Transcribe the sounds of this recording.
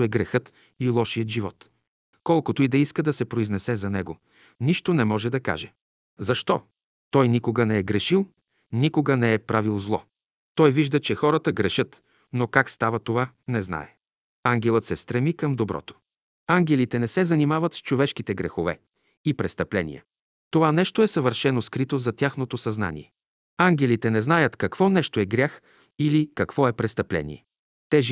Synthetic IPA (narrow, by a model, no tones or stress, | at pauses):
ɛɡɾɛxɤt̪ | ilˠɔʃijət̪ʒivɔt̪ | kɔlˠkʊt̪oid̪ɐiskəd̪ɐsɛpɾoiznɛsɛzɐnɛɡo | niʃt̪onɛmɔʒɛd̪ɐka̰ʒɛ | zɐʃt̪ɔ | t̪ɔjnikoɡənɛɛɡɾɛʃilˠ | nikoɡənɛɛpɾavilˠzlˠɔ | t̪ɔjviʒd̪ət͡ʃɛxɔɾət̪əɡɾɛʃɤt̪ | nokakst̪avɐt̪ovanɛzna̰ɛ | aŋɡʲɛlˠət̪sɛst̪ɾɛmikəmd̪obɾɔ̰t̪o̥ | aŋɡʲɛlit̪ɛnɛsɛzɐnimavət̪st͡ʃovɛʃkit̪ɛɡɾɛxovɛ̰ | ipɾɛst̪ɐplɛnḭjɛ̰ | t̪ovanɛʃt̪oɛsɐvəɾʃɛnoskɾit̪ozɐt̪ʲjaxnot̪osɐzna̰nḭɛ | aŋɡʲɛlit̪ɛnɛznajət̪kɐkv̥ɔnɛʃt̪oɛɡɾʲjax | ilikɐkvɔɛpɾɛst̪ɐplɛ̰nḭɛ | t̪ɛʒ